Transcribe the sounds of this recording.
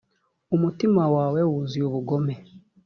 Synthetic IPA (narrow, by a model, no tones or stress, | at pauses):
umutimawaːwewuziuβuɡo̞me